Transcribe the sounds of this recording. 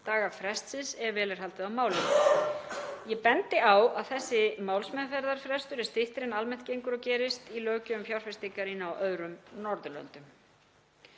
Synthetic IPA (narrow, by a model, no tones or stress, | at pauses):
t̪aːɣafɾɛst̪sɪnsɛɾvɛːlɪɾ̥halt̪ɪðawmaːwlɪn | jɛpɛnt̪ɪawaðθɛsːɪmaːwlsmɛðfɛɾðaɾ̥fɾɛst̪ʏɾɛ̥st̪ɪht̪ɪɾɪnalmɛn̥t̪cejŋkʏɾɔwcɛːɾɪst̪ilœːcʏʏmfjawɾ̥fɛst̪ikaɾinaawʔœðɾʏmnɔɾðʏlœ̰nt̪ʏm